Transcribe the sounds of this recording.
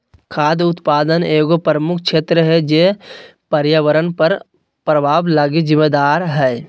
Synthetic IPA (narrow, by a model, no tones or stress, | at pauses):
kʰaːd̪ʊt̪paːd̪əneːɡopɾəmʊkʰt͡ʃʰeːt̪ɾəɦɛd͡ʒepəɾjaʋəɾənpəɾ | pɾəbʱaːblaːɡizɪmːeːd̪aːɾɦɛː